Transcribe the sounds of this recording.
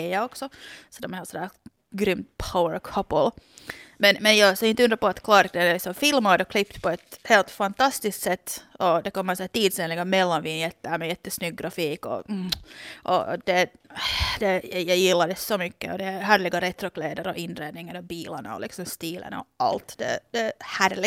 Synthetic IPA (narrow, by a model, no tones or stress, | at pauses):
jɑɔksɔsɔd̪ɛmɛɾeːlsɔnd̪æː | ɡɾʏmt̪pʰawəɾkʰɔpəlmɛnmɛnjɑːsɔɪnt̪əʉnd̪ɾapɔat̪kʰlɑːɾd̪ɛɪsɔmfɪlmad̪ɔkʰlɪpt̪pʰɔɛt̪heːlt̪fant̪ʰɑst̪ɪskt̪sɛt̪ːɔd̪ɛkɔmːəsæːʈ̪t̪iːd̪seːnlɪɡamɛlːanʋɪnjɛt̪ːæmɛjɛt̪ːəsnʏɡ̚ːɾafiːkɔ̰ | ʔɔ̰d̪̥ɛ | d̪̥ɛjjɑjɪlːad̪ɛsɔmʏkːə̰ɔd̪ɛæɦæːɾlɪɡaɾɛt̪ɾɔkleːd̪əɾɔʔɪnːɾeːd̪nɪŋənɔbiːlana̰ɔ̰lɪ̰ksɔmst̪iːlʔə̰nɔ̰ʔa̰lt̪d̪ɛ̰d̪̥ɛhæːɾlɪ